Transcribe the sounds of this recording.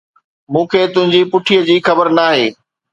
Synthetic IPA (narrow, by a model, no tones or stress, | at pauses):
mũːkʰeːt̪ʊ̃ɦɪ̃ɲd͡ʑiːpʊʈʰijəd͡ʑiːxɐbəɾnaːɦeː